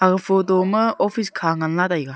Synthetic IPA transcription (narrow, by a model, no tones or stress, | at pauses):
aɡɯpʰodɔmɯopʰiskʰaŋanladajɡa